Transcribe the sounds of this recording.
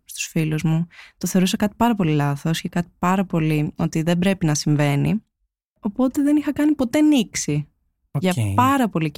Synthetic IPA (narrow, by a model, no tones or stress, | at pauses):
st̪u̥sfiluzmut̪oθeɾus̬ɐkɐt̪i̥pɐɾɐpo̞lilɐθo̞scekɐt̪i̥pɐɾɐpo̞lio̞t̪iðebɾe̞pinɐsiɱve̞ni | o̞po̞t̪e̞ðe̞nixɐkɐnipo̞t̪e̞niksi | ʝɐpɐɾɐpo̞li